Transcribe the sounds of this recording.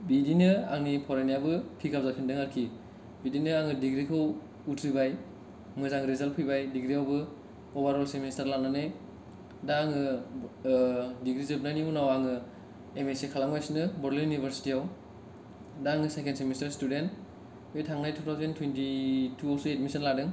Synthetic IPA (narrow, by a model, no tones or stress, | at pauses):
bidinɯaŋnipʰɔɾenijabɯpʰikʰapzapʰindɯŋaɾkʰi | bidinɯaŋɯdiɡɾikʰaw | utʰɾibaj | mɯzaŋɾizalpʰibajdiɡɾiawbɯ | bobaɾɔlseministaɾlaŋ̚nanej | daŋɯ | diɡɾizɯb̚najniunawaŋɯ | emesekʰalaŋbajsinɯbɔɾlijunibʱeɾsi̥tijaw | daŋɯsajkensemistaɾstudent | bejtʰaŋnajtʰutʰawzentʰwentitʰuasuet̚misɐnladɯŋ